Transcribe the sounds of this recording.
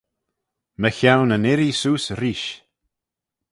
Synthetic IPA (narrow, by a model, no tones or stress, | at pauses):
məçawnənɪɾisuːsɾiːʃ